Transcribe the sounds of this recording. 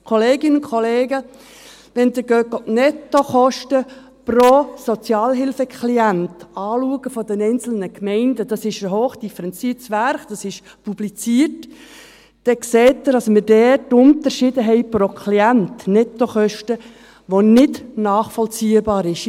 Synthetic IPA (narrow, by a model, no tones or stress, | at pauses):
kʰoleːɡɪnkʰoleːɡə | ʋɛnd̪əɡøkɔtnɛtːoχɔʃtə | prosɔt͡sjɑːlɦɪlfəkʰliæntɑːluəɡəfɔdɛnɛɪnt͡sl̩nəkmɛɪndəd̥ɑsɪʃəɦoːχd̥ifəɾɛnt͡siːtsʋærχd̥ɑsɪʃ | publit͡siːərt | d̥ɛkseːtːəɾɑsmədɛrtːʊnt̪əɾʃɪːdəɦɛɪprokʰliæntnɛt̪ːoχœʃtə | ʋonɪdnɑːχfɔlt͡siːəbɑːɾɪʃ